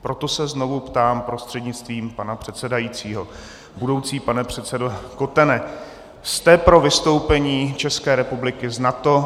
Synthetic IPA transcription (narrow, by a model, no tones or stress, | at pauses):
pɾo̞t̪o̞sɛzno̞vupt̪aːmpɾo̞st̪r̥ɛdɲɪt͡st̪viːmpanapr̝̥ɛt̪sɛdajit͡siːɦo̞ | budo̞wt͡siːpanɛpr̝̥ɛt̪sɛdoko̞t̪ɛnɛ | st̪ɛpɾo̞vɪst̪o̞wpɛɲiːt͡ʃɛskɛːɾɛpublɪkɪznat̪o̞